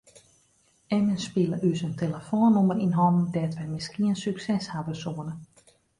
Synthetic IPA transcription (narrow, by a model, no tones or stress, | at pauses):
ɛmənspiləʔysəntʰeləfoːnoməɾinɦɔmdɛtʋɛmɪskiənsyksɛshavəsoənə